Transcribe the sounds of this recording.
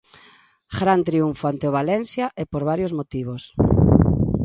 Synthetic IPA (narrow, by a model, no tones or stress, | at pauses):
ɣɾant̪ɾiuɱfoant̪eoβ̞alɛnsjaʔepoɾβaɾjozmot̪iβ̞os